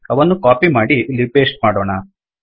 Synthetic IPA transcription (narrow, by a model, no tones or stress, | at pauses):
ɐʋɐnːukaːpimaːɽilːibeːsʈ̚maːɽoːɳɐ